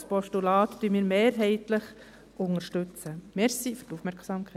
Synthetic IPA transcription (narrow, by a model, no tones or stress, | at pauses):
spɔʃtulɑːt̪d̥yːmiːɾmeːɾɦɛɪtləχ | ʔʊŋəʃtʏt͡səmɛɾsifʏrtufmɛɾksɑːmkʰ